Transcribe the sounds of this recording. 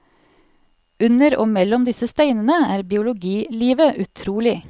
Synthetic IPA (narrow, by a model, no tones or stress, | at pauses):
ʉnəɾo̰ːmɛlɔmd̪ɪsəst̪æɪnənəæːɾbɪʊlʊɡiːliːʋəʔʉt̪ʰɾuːlɪ